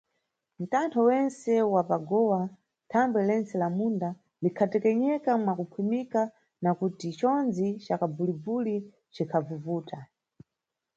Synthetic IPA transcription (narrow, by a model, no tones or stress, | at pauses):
m̩tantʰɔwɛnsɛwapaɡɔwa | tʰaŋɡbwɛlɛnt͡sɛlamunda | likʰatɛkɛɲɛkamwakukʰwimika | nakutit͡ʃɔnd͡zit͡ʃakabulibuli | t͡ʃikʰavuvuːta